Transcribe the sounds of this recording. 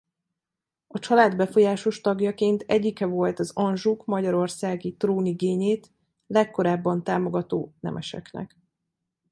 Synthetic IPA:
ɒt͡ʃɒlaːd̪bɛfo̞jaːʃo̞ʃt̪ɒɡjɒkeːnt̪ʰɛɟːikɛvo̞lt̪ɒzɒnʒukmɒɟɒɾo̞rsaːɡit̪roːniɡeːɲeːt̪ | lɛkːo̞ɾaːbːɒnt̪aːmo̞ɡɒt̪oːnɛ̰mʔɛʃɛ̰knɛ̰k

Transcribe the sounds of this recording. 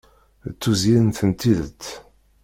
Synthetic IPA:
t͡sːuzinθənt̪iðə̰t͡s̪ː

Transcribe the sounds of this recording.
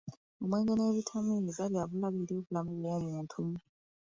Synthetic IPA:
umaŋɡɛnaweβitʰaminizaβiaβulaβiliuβulamiβɛwamutʰu

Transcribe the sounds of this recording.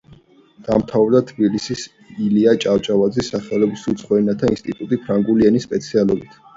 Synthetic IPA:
d̪̥amt̪ʰavɾd̪at̪ʰbilisis | iliat͡ʃʼaft͡ʃʼavad̪zisaχɛlɔbisut̪sʰʼχwɛnat̪ʰainst̪ʼit̪ʼut̪ʼipʰɾaŋɡuliɛnispʼɛt̪sʰialɔbit̪ʰ

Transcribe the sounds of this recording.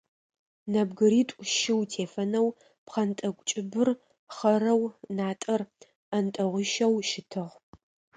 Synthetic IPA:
nɐbɡɨɾiːtʷʼʃɪwtʰeːfɐnɐw | pχɐntʼɐkʷʼt͡ʃʼɪbɨr | χɐɾɐwnaːtʼɐr | ɐntʼɐʁʷʊʃɐwʃɪtʰɨʁ

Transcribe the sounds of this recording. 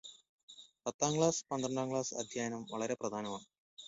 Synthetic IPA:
pɐt̪ːaːŋɡɭaːspɐnd̪rɐɳɖaːŋɡɭaːsɐ̰d̪ʱjaːjnɐmʋɐɭɐɾe̞prɐd̪ʱaːnɐmaːɳɨ

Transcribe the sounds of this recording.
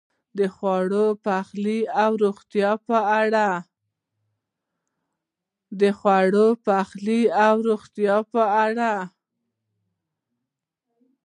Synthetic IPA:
d̪əxwɑɽopaxliawɾoɣt̪jɑpəaɽa | d̪əxwaɽopaxliawɾoxt̪jɑpəɽa

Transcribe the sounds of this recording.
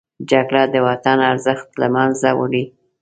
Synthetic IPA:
d͡ʒaɡɽad̪əwat̪anaɾzəxt̪la̰manzawə̰ɽi

